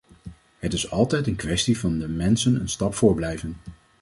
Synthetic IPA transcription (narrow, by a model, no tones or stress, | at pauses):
ɦətɪsɑlˠtɛjtənkʋɛstivɑndəmɛnsənə̰nstɑpfʊːɹblɛjvən